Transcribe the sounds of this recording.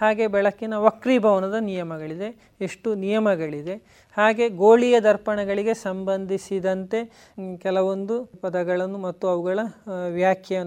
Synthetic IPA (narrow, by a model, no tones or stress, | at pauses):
haːɡe̞bɛɭɐkːinɐʋɐkɾibʱɐʋɐnɐd̪ɐnijɐmɐɡɐɭid̪e̞ː | ʂʈunijɐmɐɡɐɭid̪e̞ | haːɡe̞ɡoːɭijɐd̪ɐɾpɐɳɐɡɐɭiɡe̞sɐmbɐnd̪ʱisid̪ɐnt̪e̞ | kɛlɐʋo̞nd̪upɐd̪ɐɡɐɭɐnːumɐt̪ːuɐʋuɡɐɭɐʋjaːkʰjɐn